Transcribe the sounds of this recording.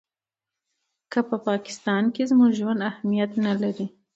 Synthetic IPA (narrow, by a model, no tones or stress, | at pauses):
kəpəpɑkɪ̥st̪ɑnkezmuɡʒwand̪ahmijat̪nalaɾi